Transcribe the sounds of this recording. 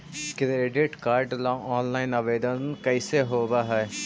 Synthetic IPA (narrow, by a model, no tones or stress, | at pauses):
kɪɾɾeːɖɪʈkaːɾɖlaɔːnlaːinəʋeːd̪ənnkəiseːɦoːbaːɦɛɛ